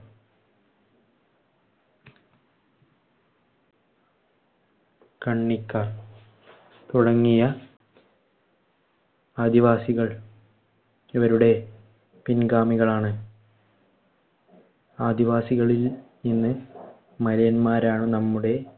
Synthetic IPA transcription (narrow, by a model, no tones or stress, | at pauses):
kɐɳːikʲːaːr | t̪uɽɐŋːijɐ | aːd̪iʋaːsiɣɐɭ | iʋɐɾuɽe̞ | pinɡaːmiɣɐɭaːɳɨ | aːd̪iʋaːsiɣɐɭilninːɨ | mɐɾɐjɐnmaːɾaːɳɨnɐmːuɽe̞